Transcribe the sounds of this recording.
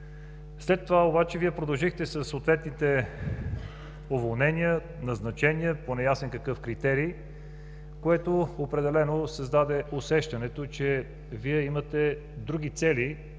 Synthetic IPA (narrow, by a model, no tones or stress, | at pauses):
slɛt̪ːovaobat͡ʃɛviɛpɾod̪ɐlˠʒixt̪ɛsəsːoːt̪vɛt̪nit̪ɛ | ovolˠnɛniə | nɐznɐt͡ʃɛniəponɛjasɛnkəkɤfkɾit̪ɛɾiː | koɛt̪oopɾɛd̪ɛlɛnosɐzd̪ad̪ɛosɛʃt̪ɐnɛt̪ot͡ʃɛ | viɛimɐt̪ɛ | d̪ɾuɡ̟it̪sɛli